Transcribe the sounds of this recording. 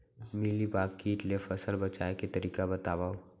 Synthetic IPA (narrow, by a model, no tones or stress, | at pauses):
milibakkːiʈlepʰəsəlbət͡ʃaeket̪əɾikabət̪abaõ